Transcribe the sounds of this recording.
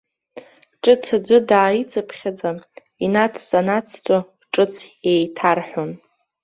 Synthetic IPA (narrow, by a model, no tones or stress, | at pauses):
ʈ͡ʂʼɨt͡sʰad͡zʷɨdaːjit͡sʼapʰχʲad͡za | inat͡sʰsʼanat͡sʰt͡sʷʼo | ʈ͡ʂʼɨt͡sʰejtʰarħʷon